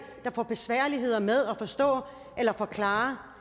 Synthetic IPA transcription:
d̥ɑ̈fɒ̰b̥e̝sʋæɐ̰liɦe̝ð̞̰ˠɐmeð̞ˠɒfɒ̽sd̥ɔ̰̽ː | ʔelɐfɒ̽kʰlɑ̈ːɐ

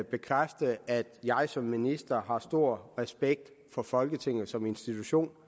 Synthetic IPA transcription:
b̥e̝kʰʁafd̥əæd̥jɑ̈ɪsɒ̽mːinisd̥ɐɦɑ̈sd̥o̝ɐ̰ʁɛsb̥eɡ̥̚d̥ | fɒ̽fɒ̽lɡ̥ət͡sʰe̝ŋ̰ð̩ˠsɒ̽me̝nsd̥it͡sʰuɕo̝̰ːn

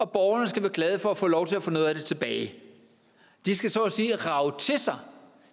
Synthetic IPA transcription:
ɒ̽b̥ɒʊɐnəsɡ̥æʋæːɐɡ̥lɛð̞ˠəfɒ̽æfɔ̰̽ːlɒʊt͡sʰe̝læfɔ̽ːnoːðˠd̥e̝t͡sʰe̝b̥ɛːɪ | d̥isɡ̥æsɒsiːʁɑ̈ʊt͡sʰe̝sɑ̈ɪ

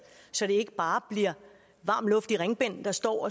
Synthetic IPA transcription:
sɒ̽ɾ̥e̝e̝ɡ̥əb̥ɑ̈ːb̥liɐ̰ | ʋɑ̰̈ːmlɔ̽fd̥iʁeŋb̥en̰d̥ɑ̈sd̥ɒ̰ːɒ

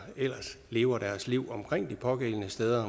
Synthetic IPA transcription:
el̰ɐsle̝ːʊɐd̥æɐsliʊ̰ɒ̽mkʰʁeŋ̰d̥ipʰɒ̽ɡ̥elənəsd̥eːð̞ˠɐ

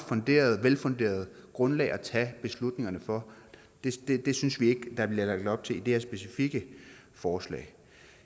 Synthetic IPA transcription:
fɔ̽nd̥e̝̰ːɐð̞̩ˠʋelfɔ̽nd̥e̝̰ːɐð̞ˠ | ɡ̥ʁɔ̽nlɛ̰ːɪɒt͡sʰɛb̥e̝slud̥ne̝ŋɐnəfɒ̽ | d̥e̝d̥ed̥e̝synsʋie̝ɡ̥əd̥ɑ̈b̥liɐlɑ̈ɡ̥̚d̥ɒ̽b̥̚t͡sʰe̝lid̥eɐsb̥e̝sifiɡ̥ə | fɒːslɛ̰ːɪ

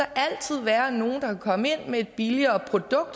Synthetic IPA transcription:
æʔæl̰t͡sʰið̞̰ˠʋæːɐno̝ːn̩d̥ɑ̈kʰækʰɒ̽məe̝n̰mee̝d̥̚b̥iliɐːpʰʁo̝d̥ɔ̽ɡ̥̚d̥

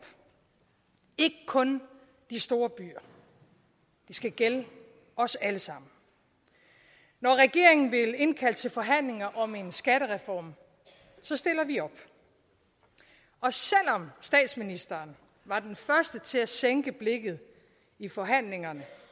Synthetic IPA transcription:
b̥ | e̝ɡ̥əkʰɔ̽n | d̥isd̥o̝ːɐb̥y̰ːɐ̰ | d̥isɡ̥æɡ̥el | ɒ̽sæləsɑ̈m̰n̩ | nɒʁɛɡ̥e̝̰ɐ̰e̝ŋn̩ʋele̝nkʰæl̰t͡sʰe̝lfɒ̽ɦæn̰le̝ŋɐʔɒ̽me̝nsɡ̥æɾ̥əʁɛfɒ̰ːm | sɒ̽sd̥e̝l̰ɐʋiɒ̽b̥ | ɒ̽sel̰ɒ̽msd̥ɛ̰ːd̥sminisd̥ɐːn | ʋɑ̈d̥enfɶɐsd̥ət͡sʰe̝læseŋɡ̥əb̥le̝ɡ̥ð̞̩ˠ | ifɒ̽ɦæn̰le̝ŋɐnə

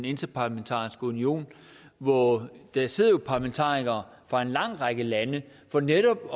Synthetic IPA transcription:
ne̝nd̥ɐpʰɑ̈læment͡sʰɑ̰̈ːisɡ̥əunio̝̰ːn | ʋɒd̥æse̝ð̞̰ˠɐjo̝pʰɑ̈læment͡sʰɑ̰̈ːiɡ̥ɐː | fʁɑ̈e̝nlɑ̈ŋ̰ʁɑ̈ɡ̥əlænə | fɒ̽neɾɒ̽b̥

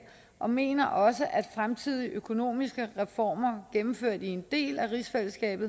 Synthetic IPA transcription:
ʔɒ̽me̝̰ːnɐʔɒ̽səʔæd̥fʁamt͡sʰið̰ˠiʔøkʰo̝no̝̰ːmisɡ̥əʁɛfɒ̰ːmɐɡ̥emm̩føɐ̰d̥ie̝nd̥e̝̰ːlæʁisfel̰sɡ̥ɛ̰ːb̥ð̩ˠ

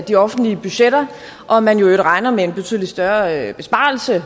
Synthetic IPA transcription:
d̥iɒ̽fn̩dliəb̥yɕeɾ̥ɐ | ʔɒ̽mænjo̝eɡ̥əʁɑ̈ɪnɐmee̝nbe̝t͡sʰy̰ðˠlid̥sd̥ɶɐb̥e̝sb̥ɑ̈ːl̩sə

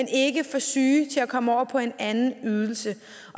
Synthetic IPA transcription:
ene̝ɡəfɒ̽syːt͡sʰe̝lækʰɒ̽məɒʊ̰ɐpʰɒ̽e̝nænn̩yð̞ˠl̩sə | ʔɒ̽

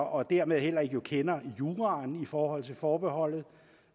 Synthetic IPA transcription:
ʔɒ̽d̥æɐme̝ðˠhel̰ɐe̝ɡ̥jo̝kʰenɐjuːʁɑnifɒːhɒ̽l̰t͡sʰe̝lfɒːb̥e̝ɦɒ̽l̰ð̞̩ˠ

